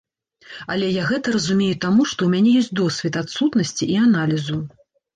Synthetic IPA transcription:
ɐlʲɛjaɣɛt̪ɐɾɐzumʲejut̪amuʂt̪ɔumʲanʲɛjɔsʲtʲt͡sʲd̪ɔsʲvʲɛt̪at̪sut̪nɐsʲt͡sʲiʔianalʲizu

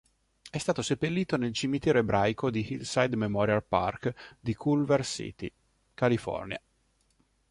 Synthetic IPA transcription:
ɛst̪aːt̪osepːelːiːt̪onelt͡ʃimit̪ɛːɾoebɾʔajkod̪ihilsajd̪memɔɾjalpa̰rkd̪ikʰulversḭt̪ḭ | kalifɔ̰rnja̰

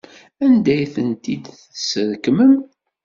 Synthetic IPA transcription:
ænd̪æjθənt̪id̪θsəɾkmən

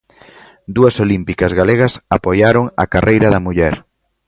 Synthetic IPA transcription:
d̪uɐsolimpikɐzɣaleɣɐsapojaɾoŋɐ̰karʔejɾɐðɐmuʎɛɾ

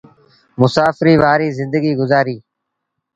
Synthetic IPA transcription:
mʊsaːfɪɾiːʋaːɾiːzɪ̃nd̪əɡiːɡʊzaːɾiː

